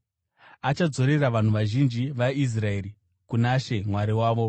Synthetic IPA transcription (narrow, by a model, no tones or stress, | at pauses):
at͡ʃad͡zo̞ɾe̞raʋan̤uʋaʒind͡ʒiʋais̬rae̞ːɾi | kunaʃe̞mwaɾiwaːʋo̞